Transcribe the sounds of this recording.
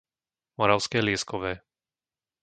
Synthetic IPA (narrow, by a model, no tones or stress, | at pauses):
mɔɾaʊskɛːlɪɛskɔʋɛː